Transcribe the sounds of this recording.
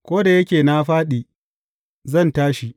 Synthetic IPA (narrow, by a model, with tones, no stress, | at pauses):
kʷoː˦da˨jɐ˦kʲeː˨na˦ɸaː˦ɗiː˨ | zɐ˦˨ntaː˦ʃi˨